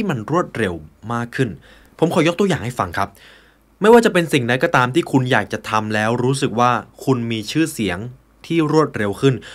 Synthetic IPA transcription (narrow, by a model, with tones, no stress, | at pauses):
iː˥˩ma˧nɾu˥˩ət̪̚ɾe˧wmaː˥˩kʰːɯ˥˩n | pʰo˩˦mkʰɔː˩˦jo˦˥t̪u˧əjaː˨˩ŋha˥˩jfa˧ŋkʰa˦˥p̚ | ma˥˩jwaː˥˩t͡ɕa˨˩pe˧nsi˨˩ŋda˦˥kɔː˥˩t̪aː˧mt̪ʰiː˥˩kʰu˧njaː˨˩k̚t͡ɕa˨˩t̪ʰa˧mlɛː˦˥wɾuː˦˥s̬ɯ˨˩k̚waː˥˩kʰu˧nmiː˧t͡ɕʰɯː˥˩si˩˦əŋ | t̪ʰiː˥˩ɾu˥˩ət̪̚ɾe˧wkʰɯ˥˩n